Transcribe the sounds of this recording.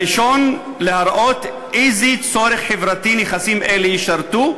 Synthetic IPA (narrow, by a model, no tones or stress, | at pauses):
iʃon | lehaɾʔot̪ | ʔizit͡soɾeχħevɾat̪ineχasimʔelejiʃaɾt̪u